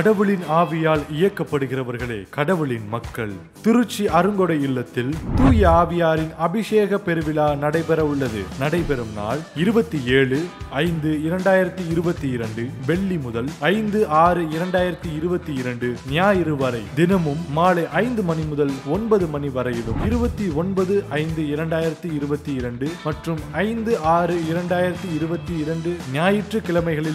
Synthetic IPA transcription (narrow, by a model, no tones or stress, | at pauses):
kɐɽɐʋɯɭɪnaːʋɪjaːɭɪjɐkːɐpːɐɽɯɣɪrɐʋɐɾɣɐɭḛːkɐɽɐʋɯɭɪnmɐkːɐɭ | t̪ɪɾɯt͡ʃːiɐɾɯŋɡɔɽɐɪɪɭːɐt̪ːɪlt̪uːjɐaːʋɪjaːɾɪnɐbɪʂeːɣɐpɛɾɯʋɪlaːnɐɽɐɪpɛɾɐʋɯɭːɐðɯ̰nɐɽɐɪpɛɾɯmna̰ːɭɪɾɯbɐt̪ːieːɭɯɐɪnd̪ɯɪɾɐɳɖaːjɪɾɐt̪ːiɪɾɯbɐt̪ːiɪɾɐɳɖɯʋɛɭːimʊðɐlɐɪnd̪ɯaːɾɯɪɾɐɳɖaːjɪɾɐt̪ːiɪɾɯbɐt̪ːiɪɾɐɳɖɯnɪjaːjɪɾɯʋɐɾɐɪd̪ɪnɐmɯmːaːɭɐʔɐɪnd̪ɯmɐnimʊðɐlɔnbɐðɯmɐniʋɐɾɐjɪɽɯmɪɾɯbɐt̪ːiɔnbɐðɯʔɐɪnd̪ɯɪɾɐɳɖaːjɪɾɐt̪ːiɪɾɯbɐt̪ːiɪɾɐɳɖɯmɐʈrɯmɐɪnd̪ɯaːɾɯɪɾɐɳɖaːjɪɾɐt̪ːiɪɾɯbɐt̪ːiɪɾɐɳɖɯnɪjaːjɪʈrɯkɪɭɐmɐɪɣɐɭɪl